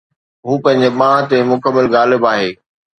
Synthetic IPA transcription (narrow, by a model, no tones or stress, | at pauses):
ɦuːpɐ̃ɦɪ̃ɲd͡ʑeɓãːt̪emʊkəmːəlɣaːlɪbaːɦeː